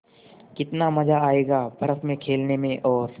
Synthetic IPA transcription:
kɪt̪namɐd͡ʒaaːeːɡaːbʱɐɾəfmẽkʰeːlnemẽʔɔːɾ

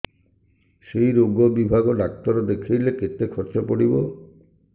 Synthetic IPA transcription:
ʃejɾoɡobibʱaɡod̪ak̚t̪ɔɾod̪ekʰijleket̪ekʰɔɾt͡ʃopoɽibo

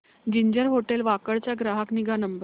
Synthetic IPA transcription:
d͡ʑiɲd͡ʑəɾɦoʈelʋakəɭt͡ɕjaɡɾaɦəkniɡʱanəmbə

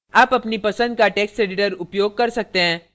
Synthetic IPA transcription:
aːpɐpnipɐsə̃nd̪̚kaʈɛːksʈɾeːɖɪʈəɾʊpjoːɡ̚kɐɾsɐk̚t̪eɦɛ̃ː

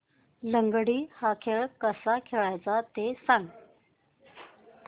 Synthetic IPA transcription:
ləŋɡɽiːhakʰeɭkəsakʰeɭajt͡sat̪esãŋɡ

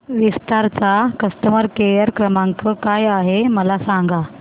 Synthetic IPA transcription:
ʋist̪aɾt͡sakəst̪əməɾkejəɾkɾəmãŋkəkajaɦeməlasaŋɡa

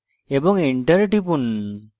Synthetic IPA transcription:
ebɔŋiɳʈəɾʈip̬un

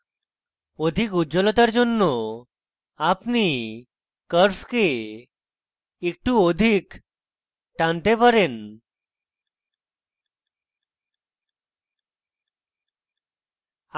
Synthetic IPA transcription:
od̪ʱikud͡ʑɔlɔt̪aɾd͡zonːo | apni | kəɾfke | ik̚ʈũod̪ʱiːk | ʈãnt̪epəɾen

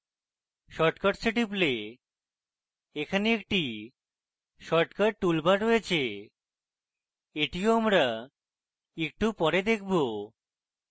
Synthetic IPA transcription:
ʃɔʈkaʈsiʈiple | ekʰaneek̚ʈi | ʃɔʈkaɾʈulbaɾɾojet͡ɕʰe | eʈioamɾa | ek̚ʈupɔɾed̪ekʰbo

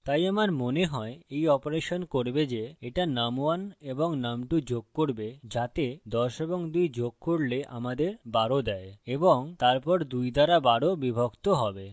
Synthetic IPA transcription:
t̪ajamaɾmoneɦɔeejɔpoɾeʃonkoɾbed͡ʑeeʈanamuaneboŋnamʈud͡ʑoɡ̚koɾbed͡ʑat̪ed̪ɔʃeboŋd̪ujd͡ʑoɡ̚koɽleʔa̰mad̪eɾbaɽod̪ɛeeboŋt̪aɾpɔɾd̪ujd̪ʱaɾabaɽobibʱokt̪oɦɔbe

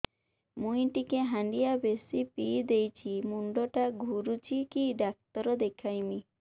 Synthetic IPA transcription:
mũjʈikeɦãɳɖijabesipid̪ejt͡ʃʰimuɳɖɔʈaɡʱuɾut͡ʃʰikiɖak̚t̪ɔɾɔd̪ekʰajmi

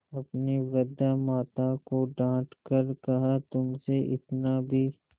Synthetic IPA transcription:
ɐpniɾɐd̪amaːt̪akoɖãːʈkɐɾkɐɦat̪ʊmseʔɪ̰t̪nabʱiː

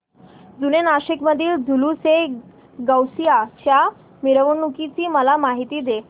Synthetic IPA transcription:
d͡zunenaɕikməd̪ʱiːld͡zʱuluse | ɡəwsijat͡ɕja | miɾəʋunukit͡siːməlamaɦit̪iːd̪e

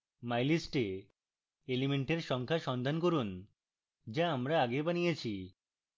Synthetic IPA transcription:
majlisʈe | elimeɳʈeɾʃɔŋkʰaʃɔnd̪ʱankoɾun | d͡ʑaamɾaaɡebanijet͡ɕʰi

